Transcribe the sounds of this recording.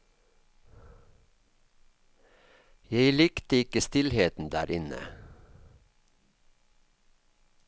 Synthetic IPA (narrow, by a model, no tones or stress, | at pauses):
jeɪlɪkt̪əɪkəst̪ɪlheːt̪n̩d̪æ̰ːɾʔɪnə̰